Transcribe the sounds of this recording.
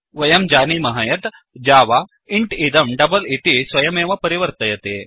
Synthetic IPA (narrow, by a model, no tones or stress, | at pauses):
ʋəjəmd͡ʑanimɐɦajət̪ | d͡ʑaʋa | iɳʈid̪əmɖɐbəlit̪isʋɐjəmẽʋapəɾiʋəɾt̪əjet̪e